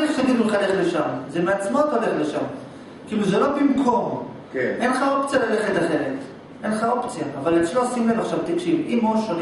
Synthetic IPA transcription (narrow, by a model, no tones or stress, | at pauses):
eχʃaɡidulχale̞χle̞ʃamzemeat͡smo̞taole̞χleʃam | kiiluzelo̞bimkʰo̞m | kʔe̞nlχao̞pt͡sijalaleχet̪aχe̞ʁet | ʔe̞nlχao̞pt͡sijaːvaleslosimlevaχʃavt̪akʃivimoʃol